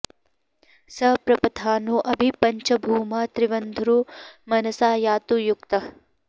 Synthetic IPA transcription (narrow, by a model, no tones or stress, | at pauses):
sɐpɾɐpɐt̪ʰaːnuʔɐbʱipɐɲt͡ʃɐbʱuːmɐt̪ɾiʋɐnd̪ʱuɾumɐnɐsaːjaːt̪ujuk̚t̪ɐ